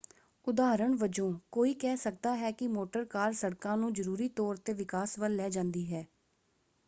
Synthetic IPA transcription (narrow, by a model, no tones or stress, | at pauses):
ʊd̪aːɾəɳʋəd͡ʒõːkoːiːkɛːsək̚d̪aːɦɛːkɪmoːʈəɾkaːɾsəɽkãːnũːd͡ʒəɾuːɾiːt̪ɔːɾt̪eːʋɪkaːsʋəlːɛːd͡ʒãːnd̪iːɦɛː